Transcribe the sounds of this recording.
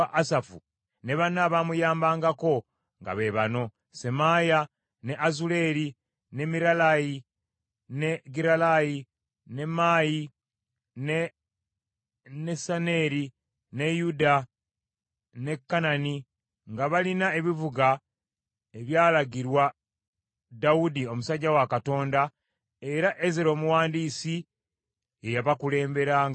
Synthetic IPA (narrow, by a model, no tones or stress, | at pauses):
ʔasafṵ | neβanaβamujaːmbaːŋɡako̞ | ŋɡa̰βe̞βano̞ | se̞maja | ne̞ʔazule̞ɾi | ne̞miɾalaji | ne̞ɡiɾalaji | ne̞maji | ne | nesaneɾi | ne̞juda | ne̞kːanani | ŋɡaβalinae̞βivuɡa | e̞βjaːlaɡiɾwa | dawudio̞musaɟːawakato̞ːnda | e̞ɾaʔezeɾo̞ːmuwaːndiːsi | ejaβakule̞ːmbe̞ɾaːŋ